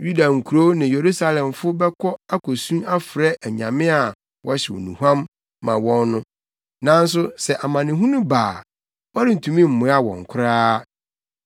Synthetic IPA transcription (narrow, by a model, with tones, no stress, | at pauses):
ju˦da˨ŋ̩˨kʰu˨ɾo˦nɪ̃˨je˨ɾu˦sa˦lɛ̃˨mfʊ˦bɛ˦kʰɔ˦a˦kʰo˨sũ˦a˦fɪ˨ɾɛ˦ʔæ˨ɲã̰˨mɪ̃˦a˨ | wʔɔ˦ɕɪ˨wɔ̰˨nṵ̃˨huã˦mː | ã˨wɔ̃˦nːʊ̃˦ | nã˦n̩˦s̬ʊ˦sɛ˨ʔa˨mã˨nɪ̃˨ɦũ˦nʊ̃˦baː˨ | wɔ˦ɾɪ˦n̩˨tʰũ˨mĩ˦m̩˨mʊ̃˨˦a˦wɔ̰̃˨ŋ̩˨kʷʰʊ˦ɾaː˦